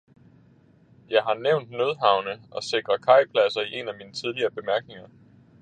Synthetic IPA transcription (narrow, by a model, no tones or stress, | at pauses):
jɑ̈ɪɦɑ̈neʊnd̥nøð̞ˠɦɑ̈ʊnəʔɒ̽se̝ɡ̥ʁɐkʰɑ̈ɪpʰlæsɐiʔe̝næmiːnət͡sʰið̞ˠliɐːb̥e̝mæɐɡ̥ne̝ŋɐ